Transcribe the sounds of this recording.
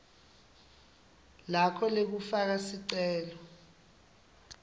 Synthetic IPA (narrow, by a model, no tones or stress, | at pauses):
lakʰɔlek̬ufak̬asiǀɛːlɔ